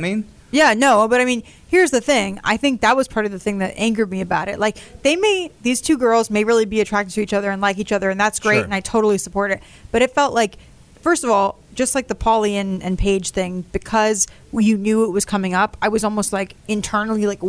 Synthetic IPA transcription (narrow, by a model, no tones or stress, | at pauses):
mĩn | jænoʊbʌɾaɪmĩn | hiɹzðɨθɪ̃ŋa̰ɪθɪ̃ŋk̚ðət̚wʌz̥pʰɑɹɾʌvðɨθɪ̃ŋðɨɾʔæ̰̃ŋkə˞d̚miɨbaʊɾɨ̰t̚laɪkðeɪmeɪðiz̥tʰʉɡɜ˞lˠzmeɪɹɪlˠibiɨtʰɹ̥æk̚tɨv̥̚tʰɨit͡ʃʌðə˞ɨ̃nlaɪkit͡ʃʌðə˞ɨ̃nðætsɡ̥ɹeɪɾɨ̃naɪtʰoʊɾl̩ˠisəpʰɔɹɾɨt̚ | b̥ʌɾɨtfɛlˠʔlʔaɪk | fɜ˞stʌvɔl̥ˠ | d͡ʒʌst̚ˡlaɪk̚ðəpʰɑlˠiɨ̃nɨ̰̃npʰeɪd̥ʒ̥θɪ̃ŋb̥ɨkʰʌz | jɨnjʉɪt̚wʌz̥kʰʌmɪ̃ŋʌpaɪwʌzɔlˠmoʊst̚ˡlaɪkɨ̃ntʰɜ̃˞nl̩ˠilaɪk